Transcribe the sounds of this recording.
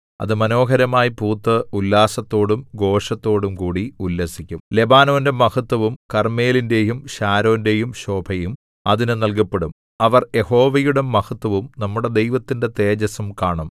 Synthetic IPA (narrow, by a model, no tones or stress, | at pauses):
ɐ̰ðɨmɐno̞ːɦɐɾɐmaːjipuːt̪ːɨulːaːsɐt̪ːo̞ːɽumɡo̞ːʂɐt̪ːo̞ːɽumkuːɽiulːɐsikʲːumle̞baːno̞ːnde̞mɐhɐt̪ːwɐʋumkɐrme̞ːlinde̞ːjumɕaːɾo̞ːnde̞jumɕo̞ːbʱɐjum | ɐðinɨnɐlk̬ɐpːe̞ɽum | ɐʋɐrje̞ho̞ːʋɐjuɽe̞mːɐhɐt̪wɐʋumnɐmːuɽe̞d̪e̞jʋɐt̪ːinde̞t̪eːd͡ʑɐsɐmkaːɳɐm